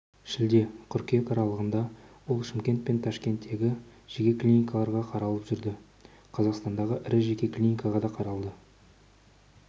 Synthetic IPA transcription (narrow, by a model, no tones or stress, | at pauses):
ʃɪld̪e̞qʰʏɾkʲe̞k̪ɑɾɑlˠəʁənd̪ɑwo̞lˠʃɪmkʲe̞nt̪̚pe̞nt̪ʰɑʃkʲe̞nt̪ːe̞ɡʲɪʒ̥e̞kʲe̞klʲinikɑlˠɑɾʁɑqʰɑɾɑlˠəpʒʏɾd̪ɪ | qʰɑzɑqst̪ɑnd̪ɑʁəʔɪɾɪʒekʲe̞klʲinikɑʁɑd̪ɑqʰɑɾɑlˠd̪ə